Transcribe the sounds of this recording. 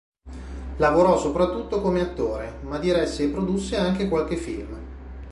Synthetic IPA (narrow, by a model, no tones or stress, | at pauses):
lavoɾɔsopɾat̪ːut̪ːokomeat̪ːoːɾemad̪iɾɛsːepɾod̪usːeaŋk̟ekwalk̟efilm